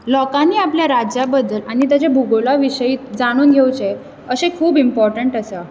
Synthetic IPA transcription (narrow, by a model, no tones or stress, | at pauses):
lɔkanːiːapljaɾad͡ʑjabəd̪əlaɽ̃it̪̬jat͡ɕebʱuɡolaʋiɕəiːt̪̚d͡zaɽ̃uːnɡʱewt͡ɕe | əsekʰuːbimpɔɾʈəɳʈəsa